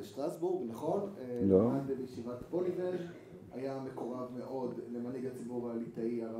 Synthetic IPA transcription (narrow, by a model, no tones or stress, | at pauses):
eʃtʁasbuʁɡnaχo̞neloanbebejeʃivatbolivel | ajame̞ko̞ʁavme̞ʔo̞dle̞maniɡat͡sibuʁaːlitaiaʁa